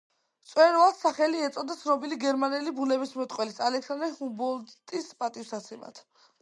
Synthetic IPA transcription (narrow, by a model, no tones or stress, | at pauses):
t̪sʼwɛɾɔassaχɛliɛt̪sʼɔd̪at̪sʰnɔbiliɡɛɾmanɛlibunɛbismɛt̪ʼqʼwɛlisalɛkʰsand̪ɾɛhumbɔlˠt̪ʼispʼat̪ʼiusat̪sʰɛma̰t̪ʰ